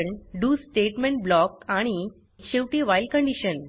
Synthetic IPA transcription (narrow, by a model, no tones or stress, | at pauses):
ɳɖuːsʈeʈmẽɳʈ̚blɔkaɽ̃i | ɕewʈiːʋajlkəɳɖiɕən